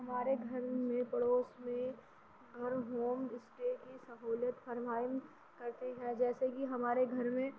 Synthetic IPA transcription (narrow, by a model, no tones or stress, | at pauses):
ɦɐmaːɾeɡʱɐɾmẽpɐɽoːsmẽ | ɡʱɐɾɦoːmɪsʈeːkisɐɦoːljət̪pɐɾmaːjɪm | kɐɾt̪eɦɛ̃d͡ʒɛːsekiɦɐmaːɾeɡʱɐɾmẽ